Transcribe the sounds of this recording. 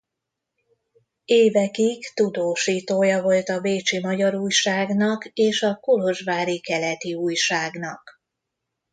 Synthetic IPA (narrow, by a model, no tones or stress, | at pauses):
eːvɛkikt̪ud̪oːʃiːt̪oːjɒvo̞lt̪ɒveːt͡ʃimɒɟɒɾuːjʃaːɡnɒkeːʃɒkuloʒʋaːɾikɛlɛt̪iuːjʃaːɡnɒk